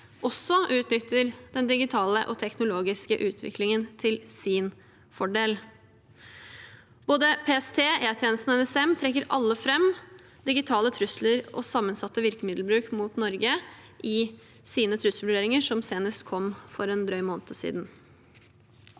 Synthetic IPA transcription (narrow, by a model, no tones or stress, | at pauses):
ʔɔsːɔʔʉːt̪nʏt̪ːəɾd̪̥ɛnd̪ɪɡɪt̪ʰɑːləʔɔt̪ʰɛknʊloːɡɪskəʔʉːt̪ʰʋɪ̰klɪŋənt̪ʰɪlsɪn | fɔɖeːl | b̥oːd̪əpʰeːɛst̪ʰeːeːt̪ʰjeːnəst̪nɔɛnɛsɛmt̪ʰɾɛkːəɾʔɑlːəfɾɛm | d̪ɪɡɪt̪ʰɑːlət̪ʰɾʉsləɾɔ̰sɑmːənsɑt̪ːəʋɪɾkəmɪd̪lbɾʉːkmuːt̪nɔɾɡə | ʔɪ | siːnət̪ʰɾʉsl̩ʋɖeːɾɪŋəʂɔmseːnəst̪kʰɔmfɔɾɛːnd̪ɾœʏmoːnt̪ʰəsḭːd̪n